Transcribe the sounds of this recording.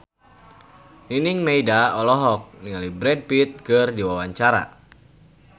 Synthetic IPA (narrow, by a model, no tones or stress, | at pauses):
niniŋmejdaɔlɔɦɔk̚niŋalibɾɛd̚pit̪̚kɨrdiwawaɲt͡ʃaɾa̰